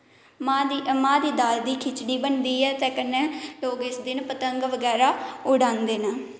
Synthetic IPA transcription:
mad̪imãːd̪iːd̪aːld̪iːkʰɪt͡ʃɽiːbənd̪iːɛːt̪ɛːkənːeːloːɡɪsd̪ɪnpət̪əŋɡʋəɡɛːɾaːʊɽãːnd̪eːnaː

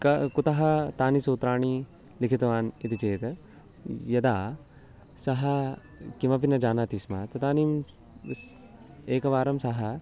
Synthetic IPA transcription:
kɐkut̪ɐɦɐt̪aːnisoːt̪ɾaːɳi | likʰit̪ɐʋaːnit̪it͡ʃeːt̪ | jɐd̪aː | sɐɦɐ | kimɐpinɐd͡ʒaːnaːt̪iːsmɐt̪ɐt̪aːnim | eːkɐʋaːɾɐmsɐɦɐ

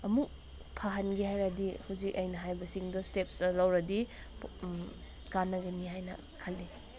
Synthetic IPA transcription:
ɐmuk̚ | pʰaɦɐnɡihajɾadihuzik̚ɐjnɐɦajbɐsiŋdɔstepsɐlɐwɾɐdi | kanːɐɡɐnihajnɐ̰ | kʰɐlːi

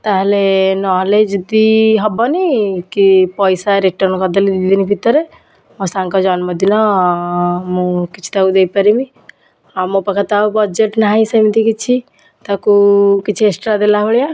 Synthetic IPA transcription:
t̪əɦlenɔled͡ʒd̪iɦəbɔnikipɔjsaɾek̚ʈəɾnkɔd̪eliid̪inibʱit̪ːəɾe | mɔsãŋkɔd͡ʒanməd̪inɔ | mokit͡ʃʰi̥t̪aud̪eipəɾimi | amopəkʰət̪aubəd͡ʒeʈnaĩsəmt̪ikit͡ʃʰi | t̪əkukit͡ʃʰesʈɾad̪elaɦoɽija

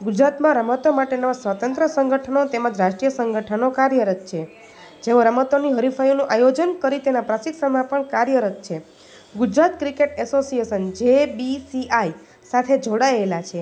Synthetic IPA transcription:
ɡud͡ʒɾat̪mãɾəmət̪omaʈenosʋət̪ə̃nt̪ɾəsəŋɡʱəʈʰənot̪emãd͡ʒɾaʃʈɾijəsəŋɡʱəʈʰənokaɾjəɾət̪̚t͡ʃʰe | d͡ʒeʋoɾəmət̪oniɦəɾifʰajonũʔajod͡ʒənkəɾit̪enãpɾasiksənmãpəɳkaɾjəɾət̪̚t͡ʃʰe | ɡud͡ʒɾat̪kɾikeʈɛsosiesənd͡ʒebisiaj | sat̪ʰed͡ʒoɽaelat͡ʃʰe

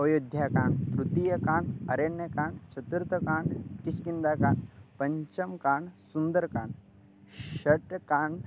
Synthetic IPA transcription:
ɐjud̪ʱjaːkãːɳɖt̪ɾut̪ijɐkaːɳɖɐɾenjɐkaːɳɖt͡ʃɐt̪uɾt̪ɐkaːɳɖkiskind̪aːkãːɳɖpɐɲt͡ʃɐmkaːɳsund̪əɾkaːɳɖ | ʃɐʈkaːɳɖ

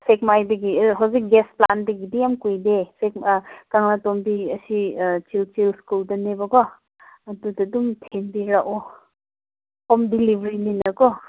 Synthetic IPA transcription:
sekmajdɐɡiɦawzik̚ɡespla̰ndɐɡidijamkujdesek̚kaŋnatombiɐsit͡ʃilt͡ʃilskuldɐnebɐɡɔ | ɐdudɐdumtʰenbiɾaʔo | omdilibʱɾininɐkɔ

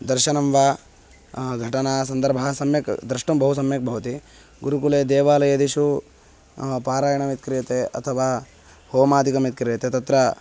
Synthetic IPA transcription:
d̪ɐɾʃɐnɐmʋaː | ɡʱɐʈɐnaːs̬ɐnd̪ɐɾbʱɐsɐmjɐkd̪ɾiʂʈɐmbɐɦusɐmjɐk̚bʱɐʋɐt̪i | ɡuɾukuleːd̪eːʋaːlɐjɐd̪iʃu | paːɾaːjɐɳɐmit̪̚kɾijɐt̪eʔɐ̰t̪ʰɐʋaː | hoːmaːd̪ʱikɐmit̪̚kɾjɐt̪et̪ɐt̪ɾɐ

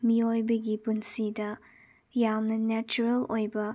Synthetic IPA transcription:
miojbɐɡipunsidɐ | jamnɐnɛt͡ʃuɾɐlojbɐ

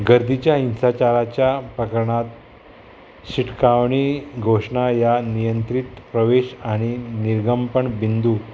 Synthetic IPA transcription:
ɡəɾd̪it͡ɕjainsat͡ɕaɾat͡ɕjapəkəɾɳat̪ | ɕiʈkaʋɳiɡʱoʂɳajanijənt̪ɾit̪pɾəʋeɕaɽ̃iniɾɡəmpəɳbind̪uː

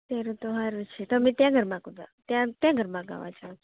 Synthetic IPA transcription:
t̪aɾõt̪oɦaɾut͡ʃʰet̪əmẽt̪jãɡʱəɾmãɡõd̪a̰t̪jãt̪jãɡʱəɾmãɡa̰ʋa̰d͡ʒao

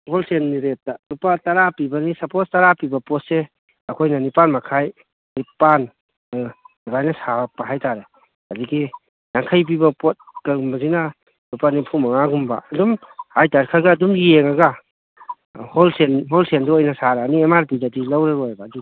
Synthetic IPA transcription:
holsenːiɾet̚talupatɐɾapibɐnisɐpostaɾapibɐpɔt̚se | ɐkʰojnɐnipanmakʰaj | nipan | ɐɡajnɐsapaɦajtaɾe | adiɡi | jaŋkʰajp̬ibɐpot̚kaɾɡumbɐzina | lupanipʰumɐŋaɡumba̰ɐdumhajtaɾkʰaɾɡaːdumjeŋaɡa | holsenɦɔlsendɔɔjnɐsaɾaːniemaɾpidadilawɾaɾojabaːdi

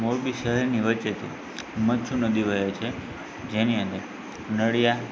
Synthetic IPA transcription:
moɾbiʃəɦɛɾniʋət͡ʃet̪ʰḭ̃ | mət͡ʃʰũnəd̪iʋəjet͡ʃʰe | d͡ʒeniə̃nd̪əɾ | nəɽija

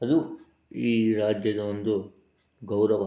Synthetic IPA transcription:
ɦɐd̪u | iːɾaːd͡ʒjɐd̪ɐond̪u | ɡɐwɾɐʋ

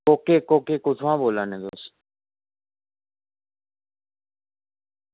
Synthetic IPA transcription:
oːkeːkoːkeːkʊt̪ʰãːboːlãːnẽːd̪o̰ːs

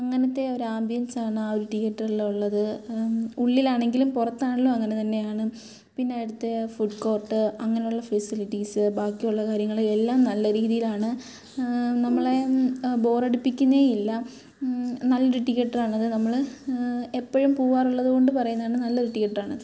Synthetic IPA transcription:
ɐŋːɐnɐt̪ːe̞o̞ɾuaːmbjɐnsaːɳɨaoɾuʈiɣɐʈːrɐɭuɭːɐðɨ | uɭːilaːɳe̞ŋɡilumpurɐt̪ːaːɳɐlːoɐŋːɐne̞t̪ɐnːe̞jaːɳɨ | pinːejiɽut̪ːefuɖko̞ːrʈːɨɐŋːɐnejuɭːɐfɐsiliʈːisɨbaːkːijuɭːɐkaːɾjɐŋːɐɭelːaːmnɐlːɐɾiːðijilaːɳɨ | nɐmːɐɭe̞bo̞ːreɽupːikʲːunːɐeilːɐ | nɐlːɐuɾɨʈiɣeʈːɐraːɳɐðɨnɐmːɐɭ | epːɐɻumpuːaːruɭːɐðuko̞ɳɖɨpɐrɐjunːðaːɳɨnɐlːuɾuʈːikːɐʈːɐraːɳɐðɨ

